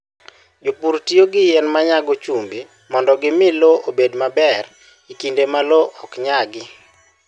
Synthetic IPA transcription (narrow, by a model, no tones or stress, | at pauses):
d͡ʒopuɾtioɡɪjɛnmaɲaɡot͡ʃumbi | mɔndɔɡɪmɪloʔobedmabɛr | ikindemaloʔɔkɲaɡɪ